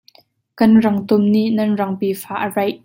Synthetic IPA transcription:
kɐnrɐŋt̪ʊmniʔnɐnrɐŋpiːfaːʔərɐjʔ

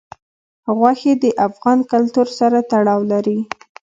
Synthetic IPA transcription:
ɣwaxed̪əʔafɣɑnkalt̪uɾsaɾat̪aɽɑwlaɾi

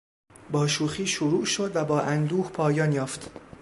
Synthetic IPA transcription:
bɒːʃuːxiːʃoɾuːʔʃod̪væbɒːʔænd̪uːhpʰɒːjɒːnjɒːft̪

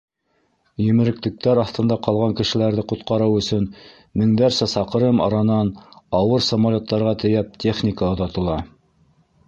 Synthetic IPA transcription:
jɵ̆mɘ̆ɾɘ̆klɘ̆k̚t̪æɾɑθt̪ɤ̆nd̪ɑqɑlˠʁɑŋkɘ̆ʃɘ̆læɾðɘqŏt̪qɑɾɤwɵ̆sɵn | mɘ̆ŋd̪æɾsæsɑqɤ̆ɾɤmɑ̰ɾɑnɑnɑwɤɾsɐmalʲot̪ːɑɾʁɑt̪ɘ̆jæp̚t̪ʲe̞χnʲikaŏðɑt̪ɤ̆lˠɑ

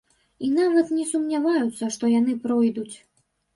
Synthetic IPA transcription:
in̪avɐt̪nʲɛsumnʲavajut̪sːɐʂt̪ɔjan̪ɨpɾɔjd̪ut͡sʲ

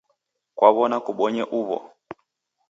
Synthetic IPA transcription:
kwaβɔnakuɓɔɲɛʔuβɔ̰

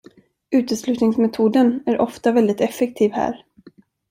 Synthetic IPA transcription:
ʉ̟ːt̪əslʉ̟ːt̪nɪŋsmɛt̪ʰuːd̪ənæɾʔɔft̪avɛld̪ɪt̪ɛfːɛk̚t̪ʰiːvhæ̰ːɾ

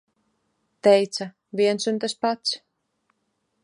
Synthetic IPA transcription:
t̪ɛjt̪sa | viɛnsynt̪aspat̪s

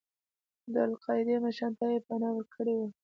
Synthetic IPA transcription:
d̪əalqɑjɪd̪emaʃɑnt̪ajepanɑwəɾkʰəɽewa

